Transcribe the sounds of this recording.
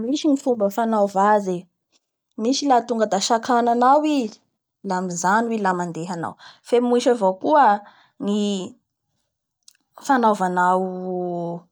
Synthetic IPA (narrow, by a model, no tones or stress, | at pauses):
miʃiŋifumbəfanavaze | miʃilat̪uŋɡəd̪aʃakananawi | lamizanwilamand̪eɦana̰wfemuʃavokuə | ŋi | fanovanaw